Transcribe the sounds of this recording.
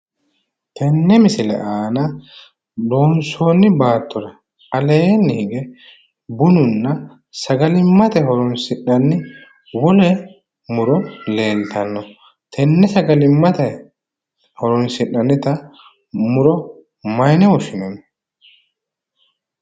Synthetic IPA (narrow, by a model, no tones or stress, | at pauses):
t̪ɛnːɛmɪsɪlɛ̰ʔaːnɐ | doːnso̞ːnːɪbaːt̪ːɔɾɐ | ɐleːnːɪhɪɡɛ | bʊnʊnːɐ | sɐɡɐlɪmːɐt̪ɛɦɔɾɔnsɪɗɐnːɪ | wɔlɛ | mʊɾɔnle̞ːlt̪ɐnːɔ | t̪ʰɛnːɛsɐɡɐlɪmːɐt̪ɛ | hɔɾɔnsɪʔːɐnːɪt̪ɐ | mʊɾɔ | mɐjnɛwɔʃɪnɛnɔ